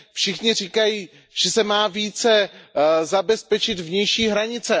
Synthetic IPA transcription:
fʃɪxɲɪriːkajiː | ʒ̥ɛsɛmaːviːt͡sɛ | zabɛspɛt͡ʃɪt̪vɲɛjʃiːɦɾaɲɪt͡sɛ

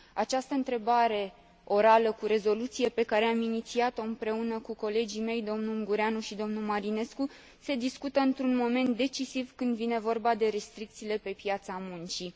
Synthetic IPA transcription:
at͡ʃast̪əɨnt̪ɾe̞baɾe̞ | o̞ɾaləkuɾe̞zo̞lut̪sije̞pe̞kaɾe̞aminit̪siat̪o̞ɨnpɾe̞unəkuko̞le̞d͡ʒime̞jd̪o̞mnuŋɡuɾeanuʃid̪o̞mnulmaɾine̞sku | se̞d̪iskut̪əɨnt̪ɾunmo̞me̞nt̪̚d̪e̞t͡ʃisivkɨnd̪vine̞vo̞rbad̪e̞ɾe̞st̪ɾik̚t̪siːle̞pe̞pjat̪samunt͡ʃi

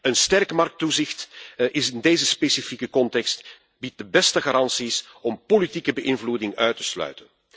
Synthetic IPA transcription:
ənstɛrkmɑrk̚tuzɪxtɪsɪndeːzəspesifikəkɔntɛkst | bit̚dəbɛstəɣaɾɑnsis | ɔmpolitikəbəʔɪnvludɪŋœɥtəslœ̰ɥtən

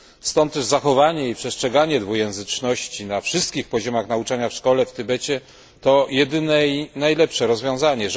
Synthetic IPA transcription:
st̪ɔnt̪ːɛʐzaxɔvaɲɛipʂɛstʂɛɡaɲɛd̪vujɛ̃w̃zɘt͡ʂnɔɕt͡ɕinafʂɘst̪̚kʲixpɔʑɔmaxnaut͡ʂaɲafʂkɔlɛft̪ɘbɛt͡ɕɛ | t̪ɔjɛd̪ɘnɛinajlɛpʂɛɾɔzvʲjɔ̃w̃zaɲɛ

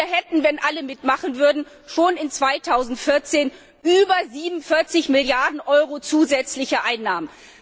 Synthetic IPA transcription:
ɐɦɛtn̩vɛnʔaləmɪtmaχənvʏɐdn̩ | ʃoːnɪnt͡sv̥aɪtʰaʊzn̩tfɪɐt͡seːn | ʔyːbɐziːbnnfɪɐt͡sɪçmɪljaɐdn̩ʔɔʏʁot͡suːzɛt͡slɪçəʔaɪnːaːmən

